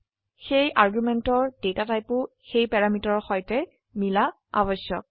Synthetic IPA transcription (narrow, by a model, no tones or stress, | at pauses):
xejʔaɹɡumɛntɔɹdewtatajpʊ | xejpɛɹamitɔɹxɔjtɛ | mila | a̰bɔsjɔ̰k̚